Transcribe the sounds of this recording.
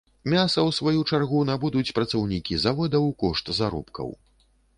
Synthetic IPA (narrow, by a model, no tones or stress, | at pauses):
mʲasɐwsvajut͡ʂarɣunabud̪ut͡sʲpɾɐt̪sɐwnʲikʲizavɔd̪ɐwkɔʂt̪zaɾɔ̰pkɐ̰w